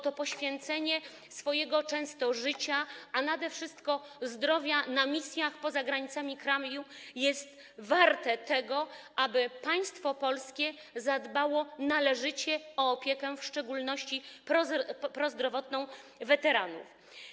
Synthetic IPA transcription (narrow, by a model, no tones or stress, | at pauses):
t̪ɔpɔɕfʲjɛnt̪sɛɲɛ | sfɔjɛɡɔt͡ʂɛ̃w̃st̪ɔʐɘt͡ɕaanad̪ɛfʂɘst̪kɔzd̪ɾɔvʲjanamʲisʲjaxpɔzaɡɾaɲit̪samʲikɾamʲjujɛst̪ | vaɾt̪ɛt̪ɛɡɔʔabɘpaj̃st̪fɔpɔlskʲɛ | zad̪bawɔnalɛʐɘt͡ɕɛɔːpʲjɛkɛfʂt͡ʂɛɡulnɔɕt͡ɕipɔpɾɔzd̪ɾɔvɔt̪nɔ̃w̃vɛt̪ɛɾanṵf